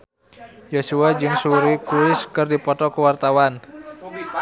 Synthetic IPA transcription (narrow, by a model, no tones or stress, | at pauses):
josuad͡ʒɨŋsuɾikuɪskɨrdipɔt̪ɔkəwart̪awan